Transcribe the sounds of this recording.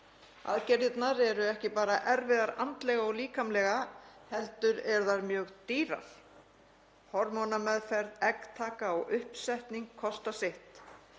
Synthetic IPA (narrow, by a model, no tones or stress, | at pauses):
a̰ðcɛɾɪt̪naɾɛɾʏɛhcɪpaːɾaʔɛɾvɪðaɾant̪lɛɣaɔɣliːkamlɛɣahɛlt̪ʏɾɛɾðaɾmjœːɣt̪iːɾa̰θ | hɔɾmɔnamɛðfɛɾðɛkt̪ʰaːkaɔɣʏhpsajht̪niŋkʰːɔst̪asɪht̪